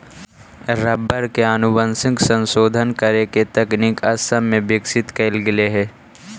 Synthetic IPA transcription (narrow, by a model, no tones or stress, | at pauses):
ɾɐbːəɾkeanʊbənsɪksə̃nsoːd̪ʱənkəɾeket̪ɛknikɐsəmːẽbɪksɪt̪keːlɡɪleɦɛː